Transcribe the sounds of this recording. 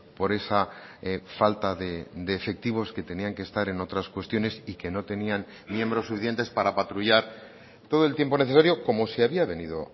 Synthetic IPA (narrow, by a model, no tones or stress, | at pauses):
po̞ɾe̞sa | falt̪aðed̪e̞ːfe̞k̚t̪iβ̞o̞ske̞t̪e̞niaŋkest̪aɾe̞no̞t̪ɾaskwe̞st̪jo̞ne̞sike̞no̞t̪e̞nian | mjẽ̞mbɾo̞sːufiθje̞nt̪e̞spaɾapat̪ɾuʝaɾ | t̪o̞ð̞o̞elt̪je̞mpo̞neθesaɾjo̞ko̞moseaβiaβe̞niðo̞̰